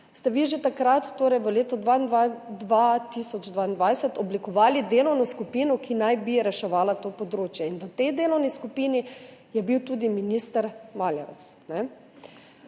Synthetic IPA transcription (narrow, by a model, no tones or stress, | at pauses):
st̪ɛʋiʒet̪akɾat̪ːoːɾɛjʋəleːt̪ɔd̪ʋand̪ʋat̪isɔd͡ʒd̪ʋaːind̪ʋajsɛt̪ɔblikɔʋaːlid̪eːlɔwnɔskupinɔkʰinajbiɾɛʃɛʋaːlat̪oːpɔd̪ɾoːt͡ʃjɛinʋət̪ɛjd̪eːlɔwniskupiːnijɛbiwt̪uːd̪iminist̪əɾmaːljɛʋɛ̰t̪snɛ